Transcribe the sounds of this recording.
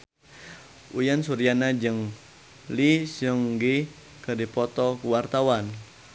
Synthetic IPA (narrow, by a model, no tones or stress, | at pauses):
ujansuɾianad͡ʒəŋ | lisəŋɡi | kədipɔt̪ɔkuwart̪awan